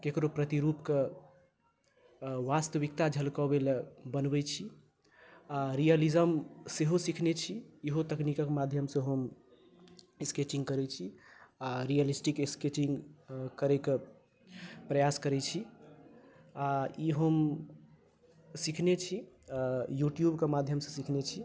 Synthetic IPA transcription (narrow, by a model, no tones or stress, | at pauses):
kekɾopɾət̪iɾupke | ʋast̪əʋikt̪ad͡ʒʱəlkɔbelbənbɛt͡ʃʰi | aɾijəlizəmseɦosikʰnet͡ʃʰijeɦot̪əknikakmad̪ʱjəmsə̃ɦəm | esket͡ʃĩŋɡkəɾɛt͡ʃʰiaɾijəlisʈikesket͡ʃĩŋɡkəɾeke | pɾəjaskəɾɛt͡ʃʰi | aiɦəm | sikʰnet͡ʃʰi | ajuʈjubkemad̪ʱjəmsə̃sikʰnet͡ʃʰi